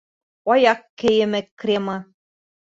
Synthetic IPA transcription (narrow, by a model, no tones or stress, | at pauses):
ɒjɑqkːɘ̆jɘ̆mɘ̆krʲemɤ